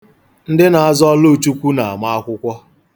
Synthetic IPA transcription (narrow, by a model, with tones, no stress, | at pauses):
n̩˦dɪ˦na˨a˦zɔ˦lo˦˨t͡ʃu˦kʷu˦na˨a̰˨ma˦a˦kʷʊ˦kʷɔ˦